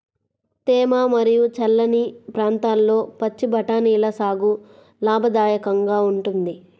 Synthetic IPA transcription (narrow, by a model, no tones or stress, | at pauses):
t̪ɛːmaːmɐɾijut͡ʃɐlːɐnipɾaːnt̪aːlːo̞ːpɐt͡ʃːibʱɐʈaːniːlɐsaːɡu | laːbʱɐd̪aːjɐkɐŋɡaːuɳʈund̪i